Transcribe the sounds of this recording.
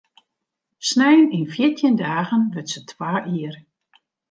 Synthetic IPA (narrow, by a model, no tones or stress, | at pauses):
snɛjənɪnfjiətʰjəndaːɣənʋətsətʰwaːʔiər